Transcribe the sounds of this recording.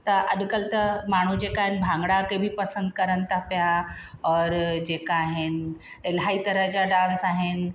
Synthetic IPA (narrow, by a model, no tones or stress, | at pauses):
t̪ɐʔɐɗkəlt̪ɐmaːɳ̤ud͡ʑeːkaːɦɪnbʱãːŋɡɽakebʱipɐsə̃nd̪̚kɐɾənɪ̆t̪ʰapijaɔːɾd͡ʑeːkaːɦɪn | elɦaːit̪ɐɾəɦd͡ʑaɖãːnsaːɦɪnɪ̆